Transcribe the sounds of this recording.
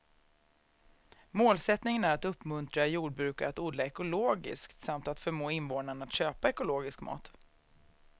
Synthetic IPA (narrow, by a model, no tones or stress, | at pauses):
moːlsɛt̪nɪŋənæɾat̪ɵpːmɵnt̪ɾajuːɖ̚bɾʉ̟ːkaɾat̪uːd̪laɛkʊloːɡɪ̰skt̪samt̪at̪fœɾmoːɪnvoːnaɳat̪ɕøːpaɛkʊloːɡɪskmɑ̰ːt̪